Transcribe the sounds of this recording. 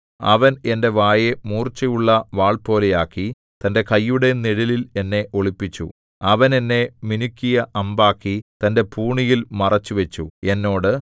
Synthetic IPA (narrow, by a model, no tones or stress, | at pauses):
ɐ̰ʋɐne̞nde̞ʋaːjemuːrt͡ɕːɐjuɭːɐʋaːɭpo̞ːle̞jaːkːi | t̪ɐnde̞kɐjːuɽe̞niɽilile̞nːe̞ʔo̞ɭipːit͡ɕːṵ | ɐʋɐne̞nːe̞minukʲːijɐʔɐmbaːkːit̪ɐnde̞pʰuːɳijilmɐrɐt͡ɕːuʋet͡ɕːue̞nːo̞ːɽɨ